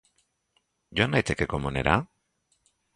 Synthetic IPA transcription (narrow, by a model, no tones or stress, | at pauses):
ɟoanajt̪ekekomunḛɾa